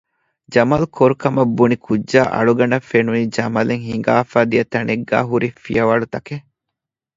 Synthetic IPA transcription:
d͡ʒɐmɐlkʰoɾukɐmɐbːunikʰudd͡ʒaːʔɐ̰ɭuɡɐnɐfːenunid͡ʒɐmɐleŋhiŋ̆ɡaːfaːd̪ijɐt̪ɐneɡːa̰ːɦuɾifḭjɐʋaːɽut̪ɐke

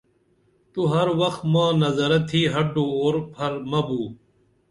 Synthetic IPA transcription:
t̪uɦɐɾwɐxt̪mãːnɐzɐɾɐt̪ʰiːɦɐɖooːɾpʰɐɾmɐbuː

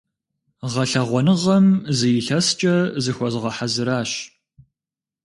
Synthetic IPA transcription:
ʁɐɬɐʁʷɔnɨʁɐmzɨjɪɬɐst͡ʃʼɐzɨxʷɔzʁɐħazɨɾaːɕ

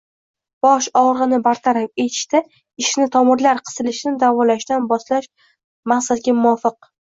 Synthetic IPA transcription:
b̥ɒʃɒʁɾʁɨnɪbaɾt̪ʰaɾafet̪ʰɪ̥ʃt̪ɪ | ɪʃnɪt̪ʰɒmɪɾlaɾqʰɨ̥zɪlɪʃɪnɪd̪avɒlaʃd̪anbɒslaʃ | maχsat̪̚ɡʲamʊɒfɪq̚

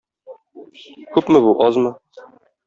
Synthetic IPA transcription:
kʉpmɘβuʔɒzmɤ

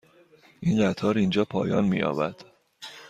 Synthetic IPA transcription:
ʔinɢæt̪ʰɒːɾind͡ʒɒːpʰɒːjɒ̰ːnmḭjɒ̰ːbæd̪̥

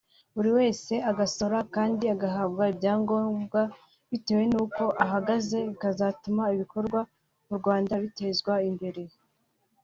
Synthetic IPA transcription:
uɾiwe̞ːse̞aɡaso̞ɾakaːndiaɡaɦaβɡaibjaːŋɡo̞ːmɡa | βite̞ːwe̞nuːko̞ʔaɦaɡaze̞kazatumaiβiko̞ɾɡwa | muɾɡwaːndaβite̞zɡwaimbe̞ɾe̞

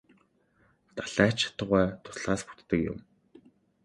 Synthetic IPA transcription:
t̪aɮæːt͡ɕʰḁt̪ə̆ʁæːt̪ʰʊ̥sɮaːspu̥t̪ːə̆kjʊ̰m

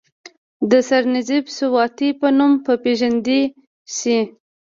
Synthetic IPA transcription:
d̪əsaɾnɪzibsʊwɑt̪ipənumpəpeʒand̪i | si

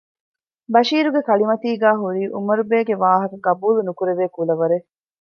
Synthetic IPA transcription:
bɐʃiːɾuɡekɐɭimɐt̪iːɡæːɦuɾiːʔumɐɾubeːɡeʋaːɦɐkɐɡɐbuːlunukuɾeʋeːkulɐʋɐɾe

